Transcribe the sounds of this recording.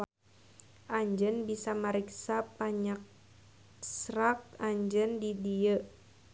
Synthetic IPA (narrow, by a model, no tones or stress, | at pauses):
ʔaɲd͡ʒənbisaməɾiksapaɲak̚ | srak̚aɲd͡ʒəndidiə